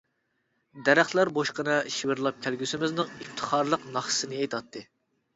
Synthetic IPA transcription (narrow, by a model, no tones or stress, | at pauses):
d̪ɛɾæχt̪lˠæɾboʃqənɨʃiwɪɾlˠɑp̚kʲʰælɡʲysɪmɪznɨŋift̪ʰə̥χɑɾlˠəqnɑχsɨnɨejt̪ʰɑt̪ʰːɨ